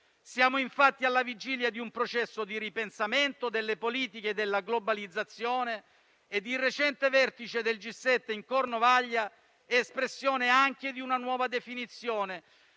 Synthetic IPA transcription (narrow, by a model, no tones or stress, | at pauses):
sjaːmoiɱfat̪ːialːavid͡ʒiːljad̪iumpɾot͡ʃɛsːod̪iɾipensament̪od̪elːepoliːt̪iked̪elːaɡlobalid̪zːat̪sːjoːneː | d̪ːirːet͡ʃɛnt̪evɛrt̪it͡ʃed̪eld͡ʒisːɛt̪ːeiŋkornovaʎːa | ɛːspɾesːjoːneaŋk̟ed̪iunanwɔːvad̪efinit̪sːjoːne